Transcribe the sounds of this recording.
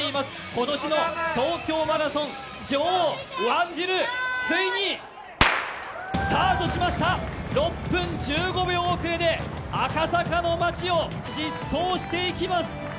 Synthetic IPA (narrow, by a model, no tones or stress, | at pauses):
eimasɨ̥ | ko̞t̪o̞ɕino̞t̪o̞ːkʲo̞ːmaɾasõ̞ŋ | d͡ʑoːβãɲd͡ʑiɾɯ̟t͡sɨiɲ̟i | saːt̪o̞ɕimaɕi̥t̪aɾo̞pːɯ̟̃ɲd͡ʑɨːɡo̞beoːkɯ̟ɾe̞d̪e̞akasakano̞mat͡ɕio̞ | ɕisːo̞ːɕi̥t̪e̞ikʲimasɨ̥